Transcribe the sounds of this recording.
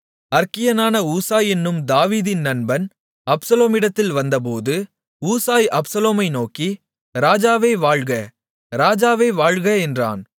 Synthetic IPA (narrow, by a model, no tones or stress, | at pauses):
ɐɾkɪjɐnaːnɐuːsaːjɛnːɯmd̪aːʋiːðɪnːɐnbɐn | ɐpsɐloːmɪɽɐt̪ːɪlʋɐnd̪ɐp̬oːðɯ | uːsaːjʔɐpsɐloːmɐɪnoːki | ɾaːd͡ʒaːʋeːʋaːɻɣɐ | ɾaːd͡ʒaːʋeːʋaːɻɣɐɛndra̰ːn